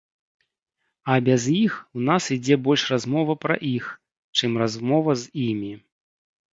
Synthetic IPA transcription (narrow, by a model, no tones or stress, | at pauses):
ɐbʲazjixwnasid͡zʲɛbɔlʲʂrazmɔvɐpɾɐ̰ʔix | t͡ʂɨmrazmɔvɐzimʲi